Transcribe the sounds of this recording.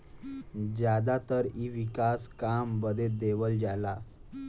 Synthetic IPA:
d͡ʑjad̪at̪əɾiʋikaskambəd̪ʱed̪eʋəld͡ʑala

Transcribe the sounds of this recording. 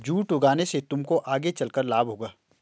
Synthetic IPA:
d͡ʒuːʈʊɡaːneset̪ʊmkoʔaːɡet͡ʃɐlkəɾlaːbɦoːɡaː

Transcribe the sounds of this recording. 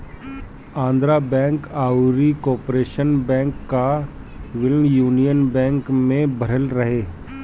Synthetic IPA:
ãːnd̪ɾabɛ̃ːŋkaːuɾikɔːpɾeːʃənbɛ̃ːŋkːa | ʋɪlnjuːnijənbɛ̃ːŋkmẽbʱɐɾəlɾɐɦeː

